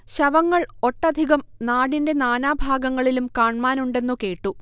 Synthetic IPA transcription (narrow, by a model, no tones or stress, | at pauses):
ɕɐʋɐŋːɐɭo̞ʈːɐd̪ʱiɣɐmnaːɽinde̞naːnaːbʱaːɡɐŋːɐɭilumkaːɳmaːnuɳɖe̞nːuke̞ːʈːu